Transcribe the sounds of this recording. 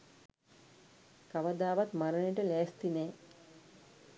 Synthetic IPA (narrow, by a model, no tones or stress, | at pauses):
kaʋəd̪aːʋat̪maɾəneʈəlæːst̪inɛː